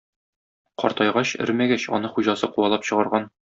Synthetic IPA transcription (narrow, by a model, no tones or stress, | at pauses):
qɒ̰ɾt̪ɑjʁɑɕɘ̰̆ɾmæɡæɕɒ̰nɤχuʑɑsɤquɑlˠɑpɕɤ̆ʁɑɾʁɑn